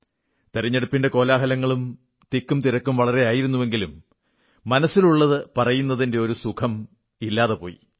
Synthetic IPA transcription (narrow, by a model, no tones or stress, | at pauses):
t̪eɾɐɲːe̞ɽupːinde̞ko̞ːlaːɦɐlɐŋːɐɭum | t̪ikːumt̪iɾɐkːumʋɐɭɐre̞aːjiɾunːuʋe̞ŋɡilumː | ɐnɐsːiluɭːɐðɨpɐrɐjun̪ːɐðinde̞o̞ɾusukʰɐm | ilːaːðepo̞̰ːjḭ